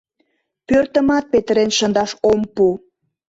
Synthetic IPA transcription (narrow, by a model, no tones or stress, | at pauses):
pørt̪əmɑt̪̚pet̪əɾenʃənd̪ɑʃompu